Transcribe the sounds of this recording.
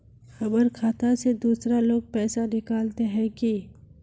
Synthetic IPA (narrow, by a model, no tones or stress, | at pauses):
xɐbəɾkʰaːt̪ased̪uːsɾaloːɡ̚pɛːsanɪkaːlt̪eɦɛ̃ki